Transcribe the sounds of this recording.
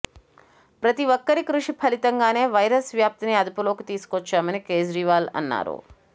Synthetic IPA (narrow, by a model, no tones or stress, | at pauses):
pɾɐt̪iʋokːɐɾikɾuʂipʰɐlit̪ɐŋɡaːne̞ːʋɐjɾɐsʋjaːp̚t̪iniɐd̪upulo̞ːkit̪iːsu̥kʋɔt͡ʃːaːmɐnikeːd͡ʒɾiːʋaːlɐ̰nːa̰ːɾṵ